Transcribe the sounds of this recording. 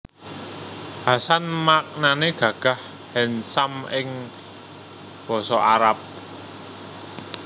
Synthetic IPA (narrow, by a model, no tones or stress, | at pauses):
hasanmak̚naneɡ̥ä̤ɡ̥a̤h | hɛnsamɪŋ | b̥ɔ̤sɔʔaɾap̚